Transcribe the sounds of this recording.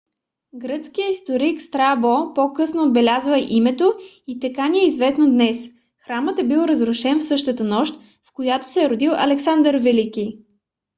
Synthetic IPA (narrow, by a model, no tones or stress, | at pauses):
ɡɾət̪skijəist̪oɾikst̪ɾabopokɤsnoːd̪̚bɛlʲazvəɛʔimɛt̪o | it̪ɐkanʲiɛizvɛsnod̪nɛs | xɾamət̪ɛbilˠɾɐzɾʊʃɛnfsɤʃt̪ət̪ənɔʃt̪ | fkojat̪o̥sɛːɾod̪ilˠʔɐ̰lɛksand̪əɾvɛlikʲi